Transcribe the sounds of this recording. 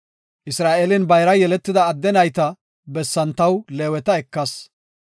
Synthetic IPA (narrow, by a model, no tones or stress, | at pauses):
ʔɪsɾaːʔelɪnbɐjɾɐjɛlɛt̪ːɪd̪ɐːd̪ːɛnɐjt̪ɐ | bɛsːɐnt̪ɐwleːwɛt̪ɐɛkːɐs